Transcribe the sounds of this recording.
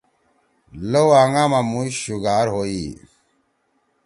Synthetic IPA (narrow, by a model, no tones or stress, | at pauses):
lowaŋɡaːmamũɕuɡaːɾɦoi